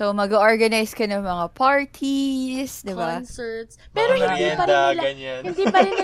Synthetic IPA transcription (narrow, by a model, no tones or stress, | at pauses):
somɐɡɐʔoɹɡɐnajskɐnɐŋmɐŋapʰaɹt̪ʰisd̪ɪbansɛt̪spɛːɾohɪnd̪iːpɐɾɪlhɪnd̪iːpɐɾɛn